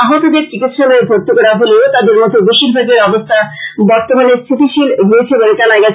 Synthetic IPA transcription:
aɦot̪od̪eɾt͡ɕikit̪ːʃaloebʱoɾt̪okɔɽaɦoleot̪ad̪eɾmɔt̪od̪eʃiɾbʱaɡeɾɔbost̪ʰabɔɾt̪omanest̪ʰit̪ʰiʃilɡoet͡ɕʰeboɾekanaeɡat͡ɕʰ

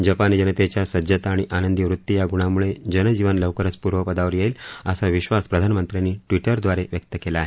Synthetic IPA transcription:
d͡ʑəpanid͡ʑənət̪et͡ɕjasəd͡ʑət̪aːɽiʔanənd̪jiʋɾut̪ːijaɡuɽ̃amuɭed͡ʑənəd͡ʑiʋənləʋkəɾət͡spuɾʋəpəd̪aʋəɾjeiːləsaʋiɕʋaspɾəd̪ʱanəmənt̪ɾjanːiːʈʋiʈəɾd̪ʋaɾeʋjək̚t̪əkelaːɦe

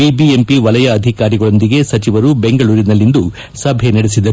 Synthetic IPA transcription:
ibiempiʋɐlɐjɐːd̪ʱikaːɾiɡɐɭond̪iɡe̞sɐt͡ʃiʋɐɾube̞ŋɡɐɭuːɾinɐlːind̪u | sɐbʱe̞nɐɽesid̪ɐɾu

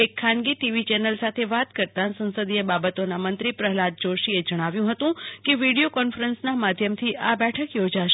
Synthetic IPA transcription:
ekʰːãnɡiʈiʋit͡ʃɛnəlsat̪ʰeʋat̪kəɾt̪ãsə̃nsəd̪iebabət̪onamənt̪ɾipɾəɦlad̪̚d͡ʒoʃied͡ʒəɽ̃aʋjũɦət̪ũkeʋiɽijokɔnfəɾənsnamad̪ʱjəmt̪ʰiʔabɛʈʰəkjod͡ʒaʃ

